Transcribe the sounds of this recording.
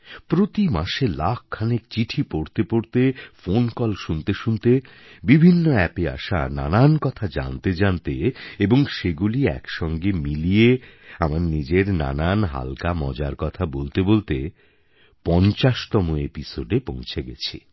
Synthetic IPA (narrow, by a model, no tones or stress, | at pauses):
pɾot̪imaʃelak̚ʰkʰːanekt͡ɕiʈʰipoɾt̪epoɾt̪efonkɔlʃunt̪eʃunt̪e | bibʱinːoɛpea̰ʃa̰na̰nankɔt̪ʰad͡ʑa̰nt̪ed͡ʑant̪eeboŋʃeɡuliɛ̰kʃɔŋɡemilijeamaɾnid͡ʑeɾna̰nanɦa̰lkamɔ̰d͡ʑaɾkɔt̪ʰabolt̪ebolt̪e | pɔnt͡ɕaʃt̪ɔmoepisoɖepõw̃t͡ɕʰeɡɛ̰t͡ɕʰḛ